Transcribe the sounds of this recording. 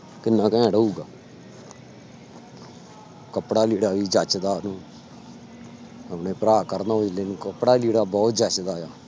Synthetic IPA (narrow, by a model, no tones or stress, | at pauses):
kɪnːãːkɛ̃ːɖəuːɡaː | kəpɽaːliːɽaːʋiːd͡ʒət͡ʃd̪aːnũː | əpneːpəɾaːkəɾnaːɦoːd͡ʒleːnũːkəpɽaːliːɽaːbɔːt̪d͡ʒət͡ʃd̪aːjaː